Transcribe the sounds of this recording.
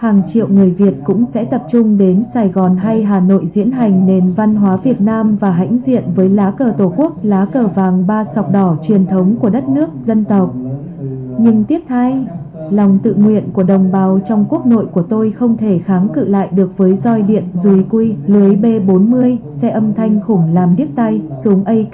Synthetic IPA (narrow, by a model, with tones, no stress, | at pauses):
haː˨˩ŋt͡ɕḭ˧˨əwŋɨ˨˩əjvi˨˩ət̚kʊ̰˧˥ŋ͡msɛ̰˧˥t̪ə˨˩p̚t͡ɕʊ˧ŋ͡mɗe˨˦nsaː˨˩jɣɔ˨˩nɦa˧jɦaː˨˩no̰˧˨jzḭ˧˥ənɦa˨˩jŋ̟ne˧˩nva˧nɦwaː˨˦vi˨˩ət̚naː˧mvaː˨˩ɦa̰˧˥jŋ̟zḭ˧˨ənvəː˨˦jlaː˨˦kəː˨˩t̪o˧˩ku˦˥ək̚laː˨˦kəː˧˩vaː˨˩ŋɓaː˧sɔ˨˩wk͡p̚ɗɔ˧˩t͡ɕwi˨˩ənt̪ʰə˨˦wŋ͡mku˧˩əɗə˦˥t̚nɨ˦˥ək̚zə˧nt̪ə˨˩wk͡p̚ | ɲɨ˧ŋt̪i˦˥əp̚t̪ʰa˧j | lɔ˨˩wŋ͡mt̪ɨ̰˧˨ŋwḭ˧˨ənku˧˩əɗə˨˩wŋ͡mɓaː˨˦wt͡ɕɔ˧wŋ͡mku˦˥ək̚no̰˧˨jku˧˩ət̪o˧jxə˧wŋ͡mt̪ʰe˧˩xaː˨˦ŋkɨ̰˧˨la̰ː˧˨jɗɨ˨˩ək̚vəː˨˦jzɔ˧jɗḭ˧˨ənzu˨˩jkwi˧lɨ˨˦əjɓe˧ɓo˨˦nmɨ˧əjsɛ̰˧ʔə˧mt̪ʰa˧jŋ̟xʊ˧˩ŋ͡mlaː˨˩mɗi˦˥əp̚t̪a˧jsu˨˦əŋʔə˧j